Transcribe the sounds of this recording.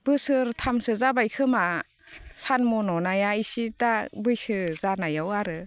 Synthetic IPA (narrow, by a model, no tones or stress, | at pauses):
b̥ɯsɯɾtʰamsɯzabajkʰɯma | sanmɔnɔnajaisitabɯjsɯzanajawaɾɯ